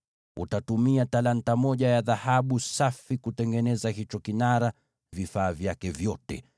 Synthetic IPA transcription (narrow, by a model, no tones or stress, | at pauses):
ṵtatumiatalantamɔʄajaðahaɓusafikutɛŋɡɛnɛzaɦit͡ʃɔkinaɾa | vifaːvjakɛvjɔtɛ̰